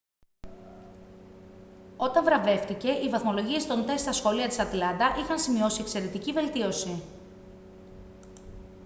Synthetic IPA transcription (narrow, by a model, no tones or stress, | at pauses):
o̞t̪ɐɱvɾɐve̞ft̪ice̞ʔivɐθmo̞lo̞ʝie̞st̪o̞nt̪e̞sst̪ɐsxo̞liɐt̪i̥sɐt̪lɐnd̪ɐʔixɐnsimio̞siekse̞ɾe̞t̪icive̞lt̪io̞si